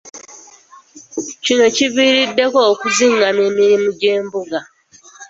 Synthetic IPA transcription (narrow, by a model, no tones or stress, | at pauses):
cino̞ciβiːɾidːe̞ko̞ːkuziŋɡame̞ːmiɾimuɟe̞ːmbuɡa